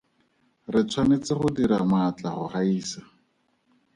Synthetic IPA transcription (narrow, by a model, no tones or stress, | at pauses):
rɪt͡sʰwanet͡sɪχʊdiɾamat͡ɬaχʊ̰χaiːsa